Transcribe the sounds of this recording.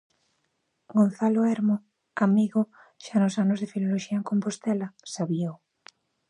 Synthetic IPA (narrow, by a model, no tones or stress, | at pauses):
ɡon̟θaloɛɾmo | amiɣo | ʃanosanozðefiloloʃiɐeŋkompost̪ɛlasaβjow